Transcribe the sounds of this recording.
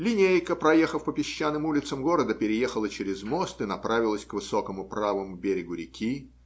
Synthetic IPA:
lʲɪnʲejkəpɾɐjexəfpəpʲɪɕːanːɨmulʲɪt̪səmɡo̞ɾəd̪əpʲɪɾʲɪjexəlˠət͡ɕeɾʲɪzmo̞st̪ɨnɐpɾavʲɪlˠəsʲkvɨso̞kəmʊpɾavəmʊbʲeɾʲɪɡʊɾʲɪkʲi

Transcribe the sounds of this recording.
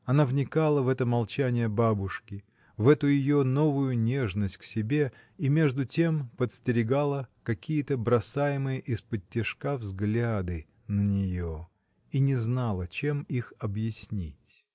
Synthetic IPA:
ɐnavnʲɪkalˠəvɛt̪əmɐlˠt͡ɕænʲɪjəbabʊʂkʲɪ | vɛt̪ʊjɪjono̞vʊjʊnʲe̞ʐnəsʲt̚ʲksʲɪbʲe̞ | imʲe̞ʐd̪ʊtʲe̞mpət̪sʲtʲɪɾʲɪɡalˠəkɐkʲijət̪əbɾɐsajɪmɨjəʔɪspətʲːɪʂkavzɡlʲad̪ɨ | nənʲɪjo | inʲɪznalˠət͡ɕe̞mixɐbjɪsʲnʲitʲ

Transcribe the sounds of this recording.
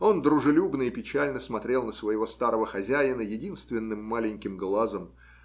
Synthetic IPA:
o̞nd̪ɾʊʐɨlʲubnəɪpʲɪt͡ɕælʲnəsmɐt̪ɾʲe̞lˠnəsvəjɪvo̞st̪aɾəvəxɐzʲæjɪnəjɪdʲinst̪vʲɪnːɨmːalʲɪnʲkʲɪmɡlˠazəm

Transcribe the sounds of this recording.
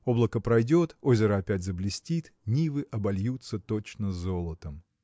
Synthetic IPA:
o̞blˠəkəpɾɐjdʲo̞t̪o̞zʲɪɾəɐpʲætʲzəblʲɪsʲtʲit̪ | nʲivɨʔɐbɐlʲjut̪sət̪ot͡ɕnəzo̞lˠət̪əm

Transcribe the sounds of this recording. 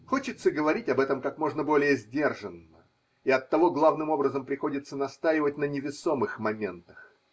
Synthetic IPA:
xo̞t͡ɕɪt̪səɪɡəvɐɾʲitʲɐbɛt̪əmkakmo̞ʐnəbo̞lʲɪjəzʲdʲe̞rʐənːə̰ | iɐt̪ːɐvo̞ɡlˠavnɨmo̞bɾəzəmpɾʲɪxo̞dʲɪt̪sːənɐst̪ajɪvət̚ʲnənʲɪvʲɪso̞mɨxmɐmʲe̞nt̪əx

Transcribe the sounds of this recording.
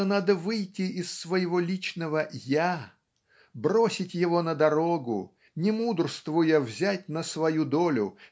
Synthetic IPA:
ənad̪əvɨjtʲɪʔɪsːvəjɪvo̞lʲit͡ɕnəvəja | brosʲɪtʲjɪvo̞nəd̪ɐɾo̞ɡʊ̰ | nʲɪmud̪rst̪vʊjəvzʲætʲnəsvɐjud̪olʲʊ̰

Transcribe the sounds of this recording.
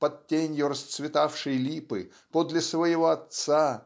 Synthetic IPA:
pɐd̪̚tʲːenʲjʊɾəst̪svʲɪt̪afʂɨjlʲipɨ | pod̪lʲɪsvəjɪvoɐt̪sa

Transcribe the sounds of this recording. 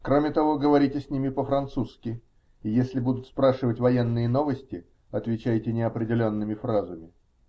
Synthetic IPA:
kɾomʲɪt̪ɐvo̞ɡəvɐɾʲitʲɪsʲnʲimʲɪpəfɾɐnt̪suskʲɪ | ɪjesʲlʲɪbud̪ʊt̪spɾaʂɨvətʲvɐjenːɨjəno̞vəsʲtʲɪ | ɐt̪vʲɪt͡ɕæjtʲɪnʲɪɐpɾʲɪdʲɪlʲo̞nːɨmʲɪfɾazəmʲɪ

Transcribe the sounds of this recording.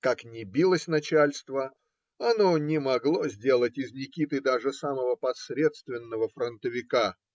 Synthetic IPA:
kaknʲɪbʲilˠəsʲnɐt͡ɕalʲst̪və | ɐnonʲɪmɐɡlˠo̞zʲdʲe̞lˠətʲɪznʲɪkʲit̪ɨd̪aʐɨsaməvəpɐsɾʲe̞t̪st̪vʲɪnːəvəfɾənt̪əvʲɪka

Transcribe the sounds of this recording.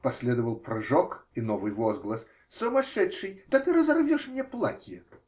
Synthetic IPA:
pɐsʲlʲed̪əvəlˠpɾɐʐokɪnovɨjvozɡlˠəs | sʊmɐʂɛtʂɨjt̪ɐt̪ɨɾəzɐrvʲoʂmnʲeplˠatʲjɪ

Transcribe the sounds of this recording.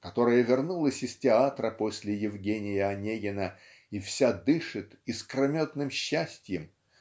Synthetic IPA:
kɐt̪o̞ɾəjəvʲɪrnulˠəsʲɪstʲɪat̪ɾəpo̞sʲlʲɪjɪvɡʲenʲɪjɪɐnʲeɡʲɪnə | ifsʲad̪ɨʂɨt̪iskrɐmʲot̪nɨmɕːæsʲtʲjɪm

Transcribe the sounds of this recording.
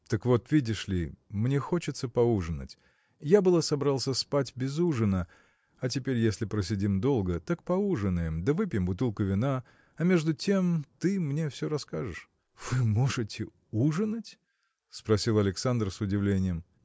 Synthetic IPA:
t̪əkvo̞t̪vʲidʲɪʂlʲɪmnʲe̞xo̞t͡ɕɪt̪səpɐuʐɨnə̰tʲ | jabɨlˠəsɐbɾalˠsʲəspatʲbʲɪzuʐɨnə | ɐt̬ʲɪpʲeɾʲjesʲlʲɪpɾəs̬ʲɪdʲimd̪o̞lˠɡət̪ak̚pɐuʐɨnːɨjɪmd̪əvɨpʲjɪmbʊt̪ɨlˠkʊvʲɪna | ɐmʲe̞ʐd̪ʊtʲe̞mt̪ɨmnʲe̞fsʲɵɾɐskaʐɨʂ | v̥ɨmo̞ʐɨtʲɪ | uʐɨnətʲ | spɾɐsʲilˠɐlʲɪksand̪rsʊdʲɪvlʲenʲɪjəm

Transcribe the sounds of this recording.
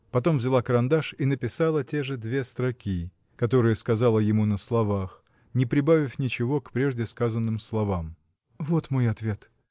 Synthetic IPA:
pɐt̪o̞mvzʲɪlˠakəɾɐnd̪aʂinəpʲɪsalˠətʲe̞ʐɨd̪vʲe̞st̪ɾɐkʲi | kɐt̪o̞ɾɨjəskɐzalˠəjɪmunəslˠɐvax | nʲɪpɾʲɪbavʲɪfʲnʲɪt͡ɕɪvo̞kpɾʲe̞ʐdʲɪskazənːɨmslˠɐvam | vo̞t̪mo̞jɐt̪vʲe̞t̪

